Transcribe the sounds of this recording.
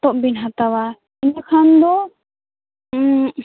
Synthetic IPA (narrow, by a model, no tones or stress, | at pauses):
t̪ɔʔbinɦat̪awa | inakʰand̪ɔ